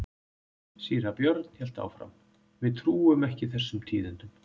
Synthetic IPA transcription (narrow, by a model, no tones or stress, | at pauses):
siːɾapjœɾt̪n̥hɛl̥t̪a̰ːwfɾa̰m | vɪðt̪ʰɾuːʏmɛhcɪθɛsːʏmt̪ʰiːðʏnt̪ʏm